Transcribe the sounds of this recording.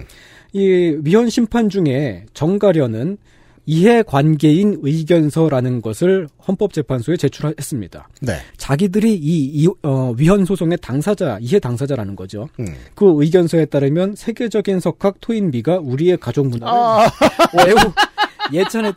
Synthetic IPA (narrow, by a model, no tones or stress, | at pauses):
iɥiɦʌnɕʰimpʰand͡ʑuŋe̞t͡ɕʌŋɡaɾjʌnɯn | iɦe̞kwanɡe̞inɯiɡjʌnsʰʌɾanɯnɡʌsʰɯɭhʌnp͈ʌp̚t͡ɕ͈e̞pʰansʰoe̞t͡ɕe̞t͡ɕʰuɾaɦe̞s͈ɯmɲid̥a̰t͡ɕaɡidɯɾiːʌɥiɦʌnsʰosʰoŋe̞taŋsʰad͡ʑaiɦe̞taŋsʰad͡ʑaɾanɯnɡʌd͡ʑokɯɯiɡjʌnsʰʌe̞t͈aɾɯmjʌnsʰe̞ɡe̞d͡ʑʌɡinsʰʌkʰak̚tʰoinmiɡauɾie̞kad͡ʑoŋmun | e | jet͡ɕʰane